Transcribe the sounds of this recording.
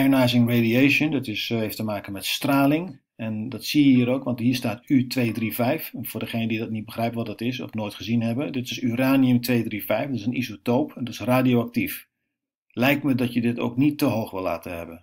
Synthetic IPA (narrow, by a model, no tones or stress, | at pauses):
ajənajzɪŋrediejʃəndɪtɪsheftəmaːkənmɛtstraːlɪŋ | ɛndɑtsiəɦiːɾoːkʋɑ̃ntɦiːɹstaːtytʰʋeːdrivɛjfvʊːdəχeːnədidɔtnit̚bəxrɛjpəʋɔtdɔtɪsɔ̰fnoːjtχəzinɦɛbədɪtɪsyraːniəmtʋeːdrifɛjfdɔtɪsənʔḭzotoːpʰɛndɔtɪ̥sraːdioak̚tif | lɛjk̚tmədɔtjədɪto̰ːknitːəɦoːxʋɪlˠːa̰ːtəhɛ̰bən